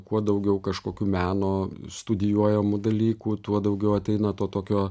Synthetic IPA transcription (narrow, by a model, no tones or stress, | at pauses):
kuɔd̪ɐʊɡʲɛʊkɐʃkoːkʲuːmʲæːnoːst̪ʊd̪ʲɪjuɔjɛmʊd̪ɐlʲiːkuːt̪uɔd̪ɐʊɡʲɛʊɐt̪ʲɛɪnɐt̪oːt̪oːkʲoː